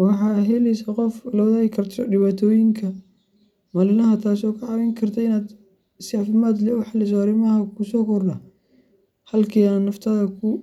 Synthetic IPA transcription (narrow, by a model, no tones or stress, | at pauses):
wɑħɑːɦɛlɛjsaqɔflɔːðɐɪkʰɐrt̪ʰɔɖɪβaːt̪ʰɔːjɪŋkʰɐ | mɐlɪlɐɦɐt̪ʰaːsɔːkʰɐʕɑwɛŋkʰɐrt̪ʰɐɪnaːd̪ | sɑfɪmaːd̪lɛʊħɑlɪs̬ɔaɾɪmɐɦɐkʰʊsɔːkʰɔrdɐ | hɐlkʰiːanːɐft̪ʰɐðɐkʰʊ